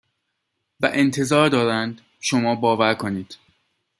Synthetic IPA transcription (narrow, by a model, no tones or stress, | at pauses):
væʔent̪ʰe̞zɒːɾd̪ɒːd̪ænd̪̥ | ʃomɒːbɒːvæɾkʰoniːd̪̥